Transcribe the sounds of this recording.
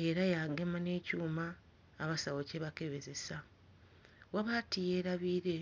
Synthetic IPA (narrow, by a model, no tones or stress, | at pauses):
e̞ɾajaːŋɡe̞mane̞ːcuːmaː | βasawoce̞βake̞βe̞ze̞sa | waβatije̞ːɾaβiːɾe̞